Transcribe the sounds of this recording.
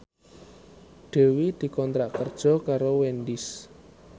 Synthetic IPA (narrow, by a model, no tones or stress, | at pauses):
ɖ̥e̤wid̪̥i̤kɔnt̪ɾaʔkərd̥ʒ̥ɔ̤kaɾowendɪs